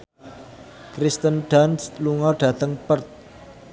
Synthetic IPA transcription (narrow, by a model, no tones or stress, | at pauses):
kɾist̪ənɖ̥ansluŋɔɖ̥ä̤t̪əŋpərt̪̚